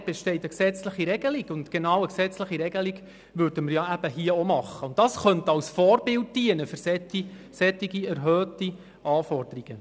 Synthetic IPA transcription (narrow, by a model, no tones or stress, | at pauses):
b̥ɛʃtɛɪtəksɛt͡sləχiɾɛɡ̥əliɡ̥ʊnt̪ɡ̥enɑːwəksɛt͡sləχiɾɛɡ̥əliɡ | vʉɾd̥əməɾjɑæb̥əɦiəomɑχːəʊntdɑsχœnt̪əɑlsfɔːrbɪlt̚diənəfʏɾsɛti | sɛt̪ːiɡiæɾɦœːti | ʔɑːfɔrd̥̪əɾiɡ̥ə